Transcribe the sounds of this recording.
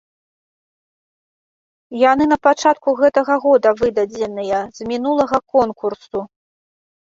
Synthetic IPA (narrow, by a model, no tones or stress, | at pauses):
janɨnɐpat͡ʂat̪kuɣɛt̪ɐɣɐɣɔd̪ɐvɨd̪ɐd͡zʲɛnɨjɐzmʲinulˠɐɣɐkɔnkursu